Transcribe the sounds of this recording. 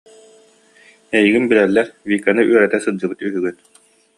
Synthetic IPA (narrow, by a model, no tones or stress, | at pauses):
ɛjiɡinbiɾɛlːɛɾviːkːanɯʔyœɾɛt̪ɛsɯd͡ʑɯbɯt̪yɦyɡyt̪